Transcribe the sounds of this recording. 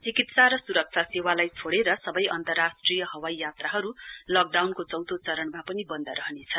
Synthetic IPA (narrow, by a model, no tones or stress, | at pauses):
t͡sikit̪saɾʌsuɾʌk̚t͡sʰasewalajt͡sʰoɽeɾʌsʌbʌjʔʌnt̪ʌrːasʈrijʌɦʌwajjat̪raɦʌɾulʌk̚ɖawnkot͡sʌwt̪ot͡sʌɾʌɳmapʌnibʌnd̪ʌɾʌɦʌnet͡sʰʌn